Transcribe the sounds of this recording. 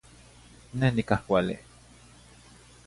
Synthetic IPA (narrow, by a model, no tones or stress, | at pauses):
nehnikahkʷalḭ